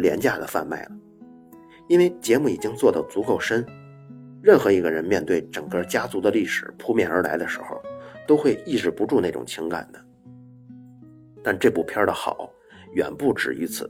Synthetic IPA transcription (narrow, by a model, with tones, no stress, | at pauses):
ljɛ˧˥nt͡ɕja˥˩d̪ə̰˩fa̰˥˧nma̰˥˩ɪlə˩ | i˥nwe˥˧˩ɪt͡ɕjɛ˧˥mu˥˩i˨˩t͡ɕi˥ŋt͡swɔ˥˩d̪ə˨˩t͡su˧˥kʰo˨˩ʊʂə˥n | ɻə˥˩nxɤ˧˥i˧˥ɡə˧ɻə˧˥nmjɛ˥˧nt̪we˥˩ɪʈ͡ʂə˨˩ŋkə˥˩t͡ɕja˥t͡su˧˥d̪ə˧li˥˩ʂɻ̩˨˩pʰu˥mjɛ˥˩nə˞˧˥la̰˧˥ɪd̪ə˧ʂɻ̩˧˥xo̰˧ʊt̪o˥ʊxwe˥˧ɪi˥˩ʈ͡ʂɻ̩˧˥˩pu˧˥ʈ͡ʂu˥˧na˥˩ɪʈ͡ʂʊ̰˨˩ŋt͡ɕʰi˧˥ŋka̰˨˩nd̪ə˦ | t̪a˥˧nʈ͡ʂɤ˥˧pu˥˩pʰjɑ˥˧də˨xɑ̰˨˩˦ʊ | ɥɛ̰˨˩npu˥˩ʈ͡ʂɻ̩˨˩y˧˥t͡sʰɹ̩̰˨˩